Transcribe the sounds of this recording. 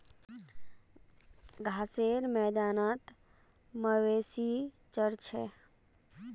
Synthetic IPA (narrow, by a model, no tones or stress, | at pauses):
ɡʱaːseɾmɛːd̪aːnaːt̪ | məweːsi | t͡ʃəɾt͡ʃʰɛ